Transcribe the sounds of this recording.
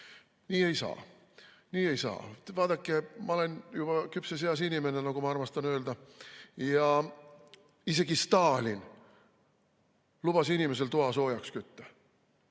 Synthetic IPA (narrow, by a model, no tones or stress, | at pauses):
niːe̞jsɑ̰ː | niːe̞jsɑ̰ːt̪vɑːd̪ɑkːemɑolenjub̥ɑkypseseɑsinimenenokomɑɑrmɑst̪ɑnøːld̪ɑjɑ | iseɡ̥ist̪ɑːlʲin | lub̥ɑsinimeselt̪uɑsoːjɑkskyt̪ːø̥